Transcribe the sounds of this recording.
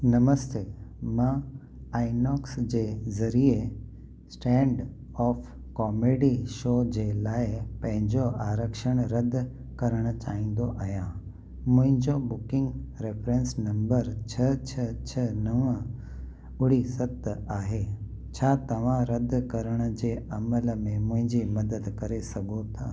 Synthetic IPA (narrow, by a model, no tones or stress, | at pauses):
nɐməst̪emãː | aːɪnɔːksd͡ʑeːzɐɾie | sʈɛ̃ːɳɖ | ɔːf | kɔːmeːɖiʃoːd͡ʑelaːɪpɐ̃ɦɪ̃ɲd͡ʑoʔaːɾəkʃəɽ̃ɾɐd̪ʱ | kɐɾəɽ̃ət͡ɕaːĩːn̆d̪oʔaːɦjã | mʊ̃ɦɪ̃ɲd͡ʑobʊkɪ̃ŋɡɾefɾẽnsnɐ̃mbəɾt͡ɕʰɐt͡ɕʰɐt͡ɕʰɐnɐʋə | ʊɽ̤isɐt̪ːəaːɦe | t͡ɕʰaːt̪ɐʋ̤ãɾɐd̪ʱkɐɾəɽ̃ə̆d͡ʑeːɐmələmẽmʊ̃ɦɪ̃ɲd͡ʑimɐd̪əd̪kɐɾesɐɡʱot̪ʰaː